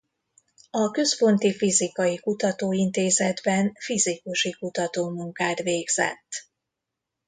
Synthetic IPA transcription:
ɒkø̞spo̞nt̪ifizikɒjikut̪ɒt̪oːint̪eːzɛd̪bɛnfizikuʃikut̪ɒt̪oːmuŋkaːt̪ʋeːɡz̥ɛ̰t̪ː

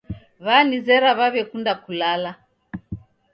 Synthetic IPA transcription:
βanizɛɾaβaβɛkundakulala

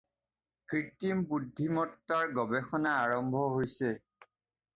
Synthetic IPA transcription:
kɹitimbudʱːimɔtːaɹɡɔbɛxɔnaːɹɔmbʱɔɦojsɛ

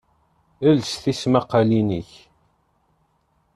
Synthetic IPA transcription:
əlsθismaqːaliniç

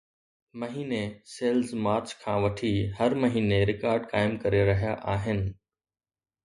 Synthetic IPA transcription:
mɐɦiːneseːlzmaːɾt͡ɕkʰãːʋɐʈʰiɦɐɾmɐɦiːneɾɪkaːɾɖkaːɪmkɐɾeɾɐɦijaʔaːɦɪnɪ̆

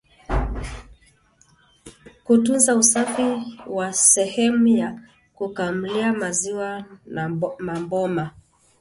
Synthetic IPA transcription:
kutunzausafiwasɛhɛmuja | kukam̩liamaziwanmambɔma

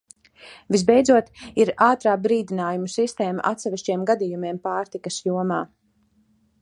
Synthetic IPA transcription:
vizbɛjd̪zuɔt̪iɾaːt̪ɾaːbɾiːd̪inaːjumusist̪ɛːma̰ʔat̪sɛvʲiʃt͡ʃiɛmɡad̪ijumiɛmpaːɾt̪ikɐsjuɔmaː

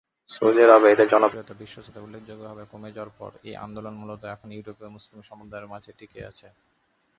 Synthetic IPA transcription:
sod͡ʑeɾabeɦit̪ad͡ʑɔnopot̪abiʃːoʃot̪aulːek̚ʰd͡ʑoɡːobʱɔbekomed͡ʑaoaɾpɔ̰ɾḛjʔa̰nd̪olonmulot̪oɛkʰonjiʈopmuslimʃɔmod̪aeɾmad͡ʑʱeʈikea̰t͡ɕʰe

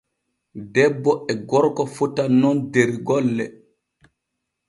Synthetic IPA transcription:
dɛbːɔɛɡɔɾkɔfutanɔndeɾɡɔlːɛ̰

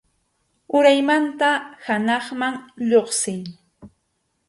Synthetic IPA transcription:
ʊɾajmant̪ahanɑχmaŋʎoχsɪj

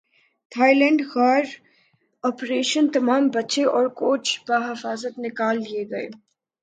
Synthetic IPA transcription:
t̪ʰaːilɛ̃ːɳɖxaːɾ | ɔːpɾeːʃənt̪ɐmaːmbɐtːʃeʔɔːɾkoːt͡ʃbaːɦɪfaːzət̪nɪkaːld̪ieɡɐḛː

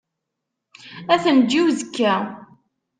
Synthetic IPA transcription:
æθənd͡ʒːiwzəkːæ

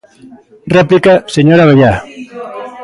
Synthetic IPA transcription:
rɛplikaseɲoɾaβeʎa

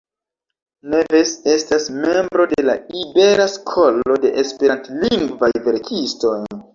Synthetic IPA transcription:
nevesestasme̞mbɾo̞de̞laibe̞ɾaskʰolo̞de̞ʔespe̞ɾantliŋɡvajve̞ɾkʰisto̞j

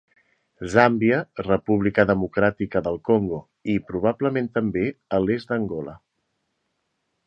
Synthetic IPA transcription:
zambiərəpuβlikəðəmukɾat̪ikəðəlˠkoŋɡo | ipɾuβ̞abləmẽnt̪əmbeəlezd̪əŋɡɔlə

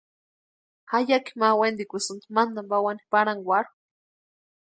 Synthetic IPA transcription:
hajaki̥mawend̪ikʷisɨnd̪mand̪ambawani̥paɽaŋɡwaɾ

